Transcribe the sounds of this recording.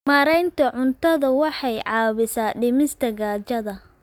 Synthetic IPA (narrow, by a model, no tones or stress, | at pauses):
maːɾɛjnt̪ʰɐʕʊnt̪ʰɐðɐwɑħɑjʕɑːβɪsaːɖɪmɪst̪ʰɐɡaːt͡ʃɐðɐ